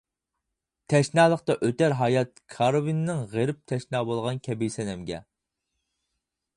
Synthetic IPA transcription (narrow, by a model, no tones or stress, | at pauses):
t̪ʰɛʃnɑːlˠəqt̪ɑʔøt̪æɾɦɑːjɑt̪̚kʰɑɾovinːɪŋʁeɾɪp̚t̪ʰɛʃnɑːbolˠʁɑnkʲʰɛbijsɛnɛmɡʲɛ̰